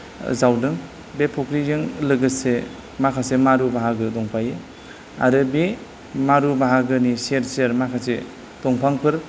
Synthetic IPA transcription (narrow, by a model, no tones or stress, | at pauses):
zawdɯŋ | bepʰokɾizeŋlɯɡɯse | makʰasemaɾubaɦaɡɯdɔŋpʰaje | a̰ɾɯbe | maɾubaɦaɡɯniseɾseɾmakʰase | tɔŋpʰaŋpʰɯɾ